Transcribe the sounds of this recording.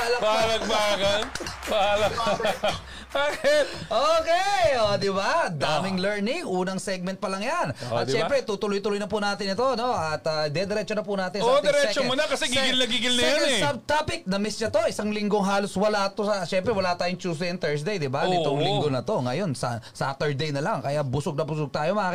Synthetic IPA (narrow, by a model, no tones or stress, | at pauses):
lɐbaalɐkbaːkɐnbalɐk | baːkɪt̪̚ʔoːkɛod̪ɪbad̪aːmɪŋlɛɹnɪŋʔuːnɐŋsɛɡ̚mɛnt̪̚pɐlɐŋjanʔɐ̰t̪ʃɛpɾɛt̪ut̪ʊlojt̪ʊlojnɐpʊnaːt̪ɪnɪt̪o̞ɐno̞ʔɐt̪ɐd̪ɛd̪ɛɾɛt͡ʃonɐpʊnaːt̪ɪnod̪ɛɾɛt͡ʃomʊnɐkɐsɛɡiɡɪlnɐɡiːɡɪlnɐoɛsɐbt̪apɪk̚nɐmɛst͡ʃɐt̪o̞ʔɪsaŋlɪŋɡoŋɦaːloswɐlat̪osɐʃɛmpɾɛwɐlaːt̪aːjʊŋt͡ʃuːs̬d̪ɛɛnt̪ɛɹs̬d̪ejd̪ɪbanɪʊŋlɪŋɡonɐt̪o̞ŋɐjo̞nsɐ̰saːft̪ɛɹd̪ejnɐlaŋkɐjabʊsʊɡ̚nɐbʊsʊɡ̚t̪aːjo̞mɐʔaːkɪ